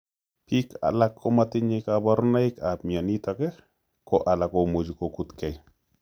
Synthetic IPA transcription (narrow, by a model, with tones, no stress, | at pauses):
pi˦ka̰˨la˦kʰːɔ˦matɪɲɪkaba˦ɾʊ˦na˦ɪkapmia˨ni˦t̪akɛ˦ | kɔ˦ʔa˨la˨ko˨mo˨d͡ʒu˨koku˦t̪kɛ˨j